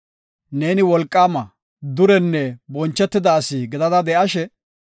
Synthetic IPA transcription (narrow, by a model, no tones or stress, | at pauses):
neːnɪwɔlkʼːaːmɐ | d̪ʊɾɛnːɛbɔnt͡ʃːɛt̪ːɪd̪aːsiɡɪd̪ɐd̪ɐd̪ɛʔɐʃɛ